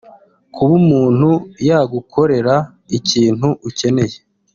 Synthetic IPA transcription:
kʰuβumuːn̥hujaɡukʰo̞ɾe̞ɾa | iciːn̥huʔuce̞ne̞je

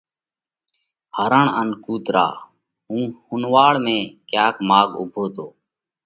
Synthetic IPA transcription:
həɾəɳənkuːt̪ɾa̰ː | ɦũːhʊnʋaːɽmẽːkjaːkmaːɠʊ̰bʱoːt̪oː

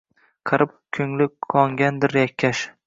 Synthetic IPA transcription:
qʰɨɾɪp̚kʲʰɵŋlɪqʰɒŋɡʲand̪ɪɾjakʲʰːaʃ

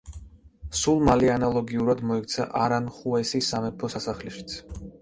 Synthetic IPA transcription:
sulˠmalianalˠɔɡiuɾad̪mɔɛkt̪sʰa̰ʔaɾanχuɛsisamɛpʰɔsasaχliʃi̥t̪sʰ

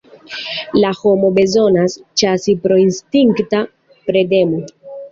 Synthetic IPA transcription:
laho̞mo̞be̞zo̞nast͡ʃasipɾo̞instiŋkta | pɾe̞de̞mo

